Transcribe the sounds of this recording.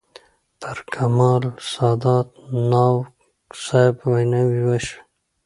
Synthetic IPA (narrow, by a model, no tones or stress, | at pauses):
pʰaɾkʰamɑːlsɑːd̪ɑːt̪nɑːw | sajbwajnawiwaʃḁ